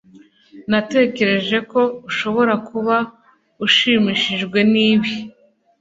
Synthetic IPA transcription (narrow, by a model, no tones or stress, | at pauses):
nate̞ːce̞ɾe̞ʒe̞ko̞uʃo̞βo̞ɾakʰuβa | uʃiːmiːʃiʒɡwe̞niːβi